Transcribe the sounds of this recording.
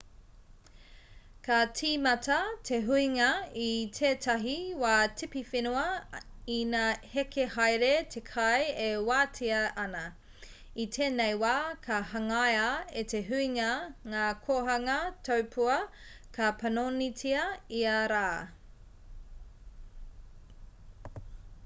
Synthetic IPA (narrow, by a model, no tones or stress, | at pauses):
kɐtʰiːmɐtʰɐtʰeɦuiŋɐitʰeːtʰɐɦiwaːtʰipifinuɐinahekʰehajɾetʰekʰɐjewaːtʰiɐʔɐnɐ | itʰeːnejwaːkʰɐhɐŋajaetʰeɦuiŋɐŋaːkʰoɦɐŋɐtʰowpʰuɐ | kʰɐpʰɐnonitʰiɐiɐɾaː